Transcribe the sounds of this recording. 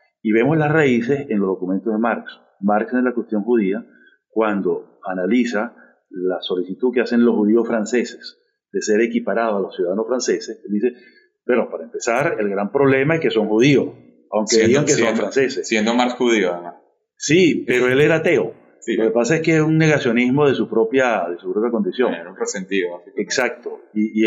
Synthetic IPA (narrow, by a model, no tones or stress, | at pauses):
iβe̞mozlasraise̞senlo̞zðo̞kume̞nt̪oðemaɾks | maɾkselakwest̪jo̞ŋhuð̞ia | kwand̪o̞analisa | laso̞lisit̪ukease̞nloshuð̞io̞sfɾanse̞se̞s | d̪̥ese̞ɾe̞kipaɾað̞oalosjuðaðanosfɾanse̞seseld̪ise̞ | peɾopaɾaempe̞saɾe̞lɡɾampɾo̞β̞le̞maeske̞soŋxuð̞io̞s | awŋkkeðiɣaŋkesomfɾanse̞sessjend̪omaɾshuðioaemas | sipeɾoeleɾat̪e̞o | siloke̞pasae̞skeesuŋne̞ɣasjonizmo̞ðe̞supɾo̞pjaðe̞supɾo̞pjako̞nd̪isjo̞ŋunresent̪ioaseksak̚t̪o | i